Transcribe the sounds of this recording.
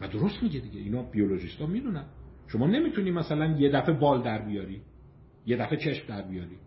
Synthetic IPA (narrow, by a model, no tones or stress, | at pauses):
væd̪o̞ɾo̞st̪miɟed̪iɟeinɒːbiolo̞ʒist̪ɒːmid̪unænʃo̞mɒːne̞miːt̪ʰuniːmæsælænje̞d̪æfe̞bɒːld̪æɾbijɒːɾiː | je̞d̪æfe̞t͡ʃʰe̞ʃmd̪æɾbijɒːɾiː